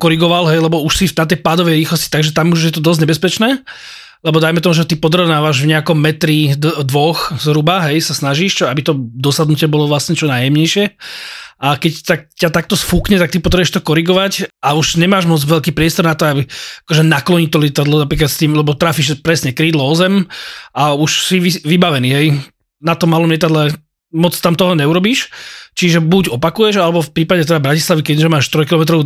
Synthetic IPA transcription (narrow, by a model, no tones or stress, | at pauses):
kɔɾiɡɔʋalɦɛjlɛbɔuʃsifnat̪̬ɛjpaːd̪ɔʋɛjɾiːxlɔsci̥t̪aɡʒɛt̪amuʒjɛt̪ɔd̪ɔzɲɛbɛspɛt͡ʃnɛː | lɛbɔd̪ajmɛt̪ɔmuʒɛt̪ipɔd̪ɾɔʋʊnaːʋaʒvɲɛakɔmːɛt̪ɾid̪d̪ʋɔxzɾubaɦɛjsasnaʒiʃt͡ʃɔabit̪ɔd̪ɔsad̪nucɪɛbɔlɔʋlasɲɛt͡ʃɔnaːjɛmɲɛjʃɪɛ | ʔakɛct̪ak̚cat̪ak̚t̪ɔsfuːkɲɛt̪akt̪ipɔt̪ɾɛbɛʃt̪ɔkɔɾiɡɔʋacauʒɲɛmaːʒmɔd͡zʋɛʎkiːpɾɪɛst̪ɔɾnat̪ɔabiakɔʒɛnaklɔɲic̚t̪ɔlɪɛt̪ad̪lɔnapɾiːkat̪st̪iːmlɛbɔt̪ɾaːfiʃpɾɛsɲɛkɾiːd̪lɔɔzɛmʔauʃsiʋiʋibaʋɛniːɦɛj | nat̪ɔmːalɔmʎɪɛt̪̬ad̪lɛ | mɔt͡st̪amt̪ɔɦɔɲɛuɾɔbiːʃt͡ʃiʒɛbuɟɔpakujɛʒalɛbɔfpɾiːpaɟɛt̪ɛd̪abɾacislaʋikɛʒɛmaːʃt̪ɾɔjkilɔmɛt̪ɾɔʊ